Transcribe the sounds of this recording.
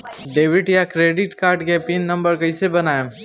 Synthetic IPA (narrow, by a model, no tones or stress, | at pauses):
ɖeːʋɪʈjakɾeːɖɪʈkaːɾɖkepinːɐ̃mbəɾkɐisebɐnaːe